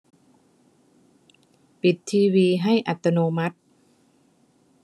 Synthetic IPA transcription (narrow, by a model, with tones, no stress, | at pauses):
pi˨˩t̪ʰːiː˧wiː˧ɦa˥˩jʔa̰˨˩t̪ːa˧noː˧ma˦˥t̪̚